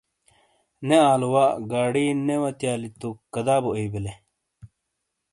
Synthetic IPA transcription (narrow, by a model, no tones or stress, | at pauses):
neaːluwaɡaːɽinewɐt̪jaːlit̪ukːɐd̪aːbueibele